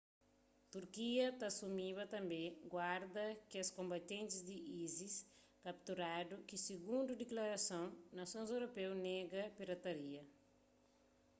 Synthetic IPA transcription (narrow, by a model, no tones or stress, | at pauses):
t̪uɾkiɐt̪asumiβɐt̪ɐ̃mbẽɡwaɾd̪ɐkiɐskõmbat̪ẽnt̪izd̪iʔizis | kap̚t̪uɾad̪ukiseɡũnd̪ud̪eklaɾasõw̃nasõnzewɾopewneɡɐpiɾat̪aɾiɐ